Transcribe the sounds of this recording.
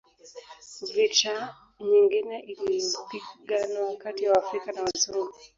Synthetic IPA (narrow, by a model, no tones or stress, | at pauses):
vita | ɲiŋɡinɛʔilipiɡanaakatiwaaːfɾikanawazɔŋɡu